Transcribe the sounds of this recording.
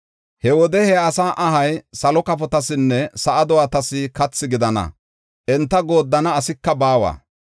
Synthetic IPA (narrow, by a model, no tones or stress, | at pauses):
hɛwɔd̪ɛhɛɐsaːʔɐɦɐjsɐlɔkɐpɔt̪ɐsɪnːɛsɐʔɐd̪ɔwat̪ɐsɪkɐt͡sːɪɡɪd̪ɐnɐ̰ | ʔɛnt̪ːɐɡo̞ːd̪ːɐnɐːsɪkːɐbaːwa̰ː